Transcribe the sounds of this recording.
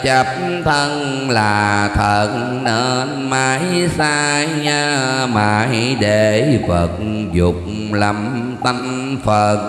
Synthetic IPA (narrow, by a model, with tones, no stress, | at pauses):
t͡ɕə˨˩p̚ | t̪ʰə˧ŋ | laː˨˩t̪ʰə˨˩t̚ | nəː˧˩nmaː˧˦jsaː˧ɲaː˧maː˨˩jɗe˧˩fə˨˩t̚ | zʊ˨˩k͡p̚ | la˨˩m | t̪ə˧n | fə˨˩t̚